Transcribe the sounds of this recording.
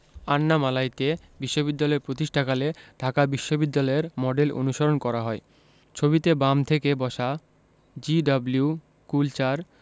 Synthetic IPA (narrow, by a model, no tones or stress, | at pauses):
anːamalajt̪e | biʃːobid̪ːalɔeɾpɾot̪iʃʈʰakaleɖʱakabiʃːobid̪ːalɔeɾmɔɖelo̰nuʃoɾonkɔɾaɦɔe | t͡ɕʰobit̪ebamt̪ʰekebɔʃa | d͡ʑiɖɔbliu | kult͡ɕaɾ